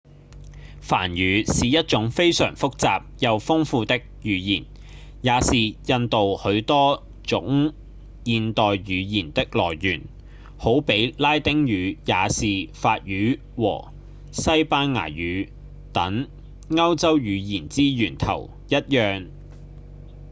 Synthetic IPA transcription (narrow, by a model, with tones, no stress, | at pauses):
fa̰ː˨˩njyː˨˧˥siː˨jɐ˥t̚t͡sʊ˨˥ŋfe˥jsœ̰ː˨˩ŋfʊ˥k̚t͡saː˨p̚jɐ˨˧wfʊ˥ŋfuː˧t̪ɪ˥k̚jyː˨˧jiː˨˩n | jaː˨˧siː˨jɐ˧nt̪o˨whɵ˨˥ɥt̪ɔː˥ | t͡sʊ̰˨˥ŋ | jiː˨˧nt̪ɔː˨jɥyː˨˧jiː˨˩nt̪ɪ˥k̚lɔː˨˩jːyː˨˩n | ho˨˥wpe˨˥jlaː˥jt̪ɪ˥ŋjyː˨˧jaː˨˧siː˨faː˧t̚jyː˨˥ | wɔ̰ː˨˩ | sɐ˥jpaː˥nŋa̰ː˨˩jyː˨˧˥ | t̪ɐ˨˥ŋ | ŋɐ˥wt͡sɐ˥wjyː˨˧jiː˨˩nt͡siː˥jyː˨˩nt̪ʰɐ̰˨˩w | jɐ˥t̚jœː˨˧ŋ